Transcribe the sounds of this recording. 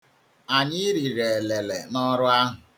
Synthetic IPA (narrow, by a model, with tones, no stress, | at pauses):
a˨ɲɪ˦ɾi˨ɾe˨e˨le˨le˨nɔ˦ɾʊ˦a˦ɦʊ˨